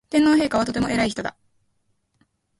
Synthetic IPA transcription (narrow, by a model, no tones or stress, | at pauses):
t̪ẽ̞nːo̞ːɦe̞ːkaβat̪o̞t̪̬e̞mo̞ʔe̞ɾaiçi̥t̪d̪a̰